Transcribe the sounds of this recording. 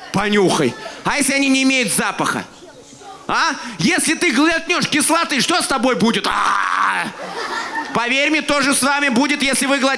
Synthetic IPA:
pɐnʲuxə̰jɐjesʲlʲɪɐnʲinʲɪːmʲejʊt̪zapəxə̰ | ajesʲlʲɪt̪ɨɡlˠɐt̪ʲnʲoʂkʲɪslˠat̪ɨʂt̪ost̪ɐbo̞jbudʲɪt̪a̰ | pɐvʲeɾʲmʲɪt̪o̞ʐɨsvamʲɪbudʲɪt̪jesʲlʲɪvɨɡlˠɐ

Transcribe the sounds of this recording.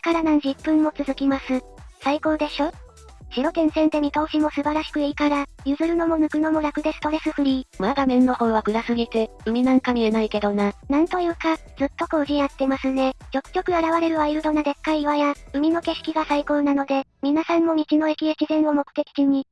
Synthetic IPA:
e̥kaɾanãn̟ʑipːɯ̟̃mːo̞t͡sɨzɨkʲimasɨ | saiko̞ːd̪e̞ɕo̞ | ɕiɾo̞t̪ẽ̞ɰ̃sẽ̞nt̪e̞mʲit̪o̞ːɕimo̞sɨbaɾaɕi̥kɯ̟iːkaɾajɯ̟zɨɾɯ̟no̞mo̞nɯ̟kɯ̟no̞mo̞ɾakɯ̟d̪e̞sɨ̥t̪o̞ɾe̞sɨɸɯ̟ɾʲimaɡ̪amẽ̞nːo̞ho̞ːβakɯ̟ɡasɨɡet̪e̞ɯ̟mʲinãŋkamʲienaike̞d̪o̞nanãnt̪o̞jɯ̟ːkad͡zɨt̪ːo̞ko̞ːʑiat̪ːe̞masɨne̞d͡ʑo̞kɯ̟̥kʲo̞kɯ̟aɾaβaɾe̞ɾɯ̟βaiɾɯ̟d̪o̞nad̪e̞kːaiβajaɯ̟mʲino̞ke̞ɕi̥kʲiɡasaiko̞ːnano̞d̪e̞mʲinasãmːo̞ɲ̟it͡ɕino̞ekʲiekʲizẽ̞ɰ̃o̞mo̞kɯ̟t̪e̞kʲi̥kiɲ̟i

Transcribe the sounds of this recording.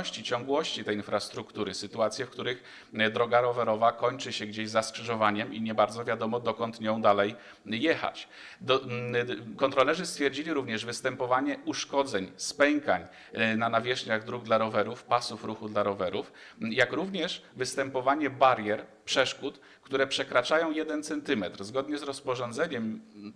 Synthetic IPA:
ɕt͡ɕit͡ɕɔŋɡwɔɕt͡ɕit̪ɛjinfɾast̪ɾukt̪uɾɘsɘt̪uat̪sʲjɛfkt̪uɾɘx | d̪ɾɔɡaɾɔvɛɾɔvakɔɲt͡ʂɘɕɛɡd͡ʑeʑzaskʂɘʐɔvaɲɛmiɲɛbaɾd̪zɔvʲjad̪ɔmɔd̪ɔkɔnt̪ɲɔ̃w̃d̪alɛj | jɛxa̰t͡ɕ | d̪ | kɔnt̪ɾɔlɛʐɘst̪fʲjɛɾd͡ʑilʲiɾuvɲɛʐvɘst̪ɛmpɔvaɲɛuʂkɔd̪zɛɲspɛŋka̰ɲ | nanavʲjɛʂɲaɣd̪ɾuɡd̪laɾɔvɛɾufpasufɾuxud̪laɾɔvɛɾufjakɾuvɲɛʂvɘst̪ɛmpɔvaɲɛbaɾjɛɾpʂɛʂkut̪ | kt̪uɾɛpʂɛkɾat͡ʂajɔ̃w̃jɛd̪ɛnt̪sɛnt̪ɘmɛt̪ɾzɡɔd̪ɲɛzɾɔspɔʐɔnd̪zɛɲɛm

